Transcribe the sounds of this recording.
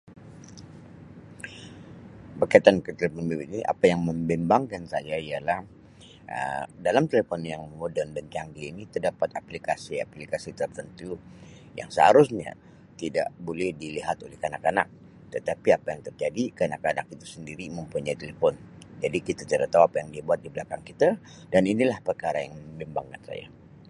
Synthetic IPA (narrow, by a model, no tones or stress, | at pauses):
bərkait̪ankət̪elefɔnbiiniʔa̰pajaŋməmbɛmbaŋkansajaialah | ʔə̰dalamt̪elefɔnjaŋmodɛrndant͡ʃaŋɡiinit̪ərdapat̪aplikasia̰plikasit̪ərt̪ənt̪u | ja̰ŋsəhaɾusɲa̰ | t̪ida̰ʔbolɛhdiliɦat̪olɛhkanakana̰k̚ | t̪ət̪apiapajaŋt̪ərd͡ʒadikanakanakit̪u̥səndiɾiməmpuɲajt̪elefɔnd͡ʒadikit̪at͡ʃ̪aɾat̪awapajaŋdiabuat̪̚diblakaŋkit̪a | daninilahpərkaɾajaŋməmbimbaŋkansa̰ja̰